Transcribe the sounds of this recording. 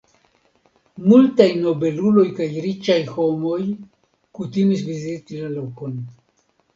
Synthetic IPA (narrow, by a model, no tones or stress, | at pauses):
multajno̞be̞lulo̞jkajɾit͡ʃajho̞mo̞j | kutimis̬vizitilalokon